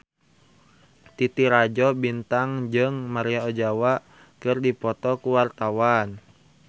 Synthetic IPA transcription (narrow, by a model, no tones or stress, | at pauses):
t̪it̪iɾad͡ʒɔbint̪aŋd͡ʒɨŋmaɾiaɔd͡ʒawa | kɨrdipɔt̪ɔkuwart̪awan